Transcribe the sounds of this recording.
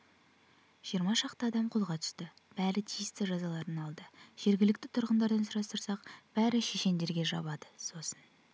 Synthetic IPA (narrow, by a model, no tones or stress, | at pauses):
ʒ̥ijəɾmɑʃɑqt̪əɑd̪ɑmqʰo̞lˠʁɑt̪ʰə̥st̪ə | b̥æɾɪt̪ʰijɪst̪ɪʒɑzɑlˠɑɾənɑlˠd̪əʒ̥e̞ɾɡʲɪlɪk̚ʲt̪ɪt̪ʰʊɾʁənd̪ɑɾd̪ɑnsʊɾɑst̪əɾsɑqb̥æɾɪʃeʃe̞nd̪e̞ɾɡʲe̞ʒɑ̰βɑd̪əso̞sən